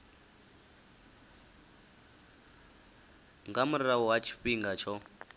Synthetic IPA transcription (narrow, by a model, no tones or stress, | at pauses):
ŋɡamuɾiɾawɔwat͡ʃʰi̥ɸiŋɡat͡ʃʰɔ